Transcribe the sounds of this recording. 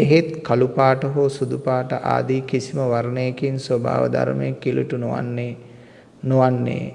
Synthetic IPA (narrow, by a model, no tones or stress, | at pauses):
eɦet̪kalupaːʈəɦoːsud̪upaːʈəʔa̰ːd̪iːkisiməʋaɾnejekinsoba̰ːʋə̰d̪a̰ɾməjekːilṵʈunoʋa̰nːe | noʋanːḛː